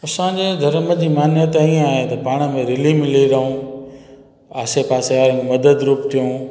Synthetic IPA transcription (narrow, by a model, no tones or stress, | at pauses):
ɐsãːɲd͡ʑeːd̪ʱɐɾməd͡ʑiːmaːnjət̪ːĩaːɦet̪ɐpaːɽ̃ə̆mẽɾɪlimɪliɾɐɦũ | aːsepaːseʋaːɾimɐd̪əd̪ɾuːpt̪ʰijũː